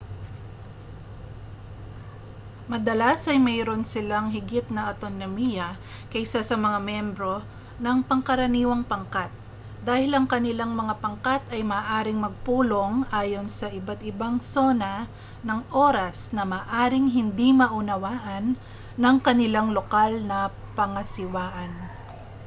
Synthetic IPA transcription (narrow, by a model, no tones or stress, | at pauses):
mɐd̪ɐlasɐjmɛːɾo̞nsɪlaŋɦɪɡɪt̪̚nɐʔɐt̪onomijɐ | kɐʔsasɐmɐŋamjɛmbɾo̞ | nɐŋpɐŋkɐɾɐniːwɐŋpɐŋkat̪̚ | d̪aːhɪlɐŋkɐnɪlaŋmɐŋapɐŋkat̪ɐjmɐaːʔaːɾɪŋmɐɡ̚puːlo̞ŋʔaːjo̞nsɐʔɪbat̪ɪbaŋso̞nɐ | nɐŋʔo̞ːɾɐsnɐmɐːʔaːɾɪŋɦɪnd̪imɐʔʊnɐwaːʔɐnː | ɐŋkɐnɪlaŋlokalnɐpɐŋɐsɪwaːʔɐn